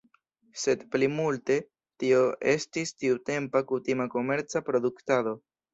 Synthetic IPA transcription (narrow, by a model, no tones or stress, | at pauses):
se̞dplimulte̞ | tio̞ʔe̞̰stistiute̞mpakutimako̞me̞ɾt͡sapɾo̞duktado̞